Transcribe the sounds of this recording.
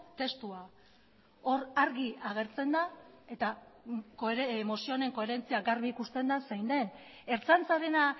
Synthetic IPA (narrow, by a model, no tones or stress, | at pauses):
t̪e̞st̪ua | o̞ɾaɾɣiaɣ̞e̞ɾt͡se̞nd̪ae̞t̪akmo̞sio̞ne̞ŋko̞e̞ɾe̞nt͡siaɡarβiːkust̪e̞nd̪asajnd̪e̞ne̞ɾt͡sant͡saɾe̞na